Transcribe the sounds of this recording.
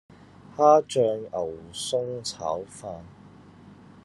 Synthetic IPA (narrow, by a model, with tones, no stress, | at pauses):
haː˥t͡ʃœː˧ŋɐ˨˩wsʊ˥ŋt͡sʰa̰ː˨˥wfaː˧n